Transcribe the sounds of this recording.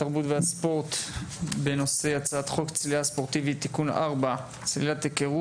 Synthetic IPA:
taʁbutveaspo̞ʁt̪be̞no̞se̞jat͡saat̪χo̞kt͡sliaspo̞ʁt̪ivit̪ːikuna̰ʁba | t͡slilat̪ekeʁu

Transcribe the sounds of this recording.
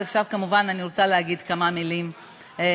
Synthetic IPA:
aχʃavkamuvananiʁot͡salehaɡid̪kamamilim

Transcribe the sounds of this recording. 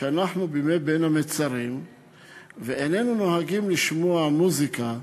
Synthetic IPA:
anaħnubimet̪̚benamet͡saɾim | veʔene̞nunoɦaɡimliʃmuamuzika

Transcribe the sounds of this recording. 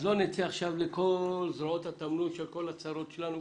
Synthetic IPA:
zonet͡siaχʃavlekolzɾaot̪hat̪amnut̪ʃelko̞lat͡saɾo̞t̪ʃelanu

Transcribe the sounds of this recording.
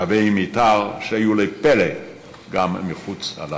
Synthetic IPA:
avejmit̪aʁʃeajulepele | ɡamːiχut͡sa̰la

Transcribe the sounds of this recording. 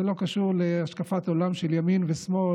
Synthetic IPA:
elo̞kaʃuʁleaʃkafato̞lamʃeljaminvesmo̞

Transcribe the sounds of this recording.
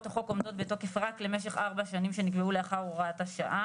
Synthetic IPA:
toχo̞ko̞mdo̞t̪̚beto̞ke̞fʁakle̞meʃ̬e̞χaʁbaʃanimʃe̞nikbeuleaχaʁuʁaathaʃa̰ʔa

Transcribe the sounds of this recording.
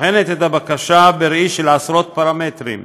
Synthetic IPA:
ħenet̪et̪abakaʃabeɾiʃelasɾo̞t̪̚paɾamet̪ɾḭm

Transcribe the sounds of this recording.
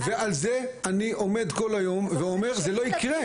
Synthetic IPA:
ve̞alze | aniʔo̞med̪ko̞lajo̞mveo̞meʁzelo̞ikʁe

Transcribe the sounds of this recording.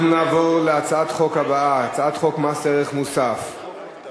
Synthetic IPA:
nunaːvoʁleat͡saat̪χo̞khabaaat͡saat̪χo̞kmaseʁeχmusaf

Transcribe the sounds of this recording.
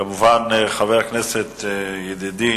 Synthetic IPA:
amuvanχaveʁaknɛset̪jed̪id̪i

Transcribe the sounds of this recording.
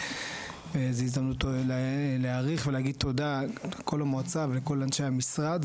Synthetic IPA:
vezeizd̪amlut | leaʁiχveleaɡid̪̚t̪o̞d̪alkʰo̞lamot͡savleko̞lanʃejamisʁad̪

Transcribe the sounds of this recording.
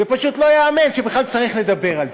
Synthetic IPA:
vepaʃut̪lo̞jaːmenʃebeχlalt͡saʁiχle̞d̪abe̞ʁalz

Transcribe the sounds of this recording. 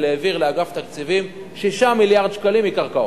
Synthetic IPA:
leːviʁleaɡaft̪akt͡sivim | ʃiʃamiljaʁd̪ʃkalimikaʁkao

